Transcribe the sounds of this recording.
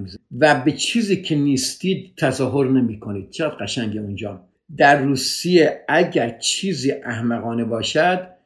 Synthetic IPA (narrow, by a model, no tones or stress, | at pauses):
væbet͡ʃʰiːziːkʰeniːst̪iːd̪̚t̪ʰːæzɒːɦo̞ɾnemiːkʰoniːd̪̥̚t͡ʃʰeʁæd̪ɡæʃæŋɟeund͡ʒɒː | d̪æɾːuːsijeæɟæɾt͡ʃʰiːziːʔæhmæɣɒːnebɒːʃæd̪̥